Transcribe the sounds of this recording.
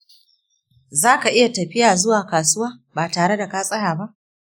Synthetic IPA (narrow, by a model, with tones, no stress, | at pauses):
zaː˦ka˨ʔɪ˦ja˨tɐ˨ɸɪ˦jaː˨zʊ˦waː˨kaː˨sʊ˦waː˦baː˨taː˨ɽe˦da˨kaː˦sʼɐ˦jaː˨ba˦ʔ